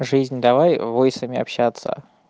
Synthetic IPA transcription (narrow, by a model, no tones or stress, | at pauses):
ʐɨzʲnʲd̪ɐvajvojsəmʲɪɐ̰pɕːat̪sə̰